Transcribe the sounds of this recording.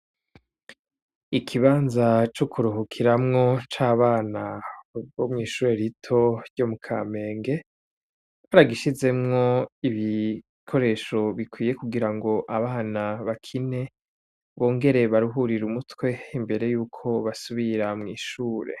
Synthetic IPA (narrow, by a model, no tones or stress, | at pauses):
ikʰiβaːnzat͡ʃokʰuɾuɦokʰiɾamŋo̞t͡ʃaːβaːnaβomŋiːʃuːɾe̞ɾitʰo̞ɾɟo̞mukʰa̰ːme̞ːŋɡe̞ | βaɾaɡiʃize̞mŋo̞iβi | kʰo̞ɾe̞ːʃo̞βikwiːje̞kuɡiɾaŋɡo̞ʔaβaːnaβakʰine̞ | βoːŋɡe̞ɾe̞βaɾuɦuɾiɾumutwe̞imbe̞ɾe̞juːkʰo̞βasuβiɾamŋiːʃuːɾe̞̰